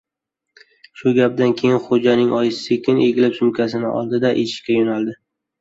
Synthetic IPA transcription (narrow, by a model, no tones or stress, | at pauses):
ʃʊɡʲap̚d̪ankʲʰe̞jɪnχod͡ʒanɪŋʔɒjɪsekʲʰɪnʔeɡʲɪlɪpsʊmkʲʰasɪnɪʔɒ̰lˠd̪ɪd̪aʔeʃɪ̥ʃkʲajonalˠd̪ɪ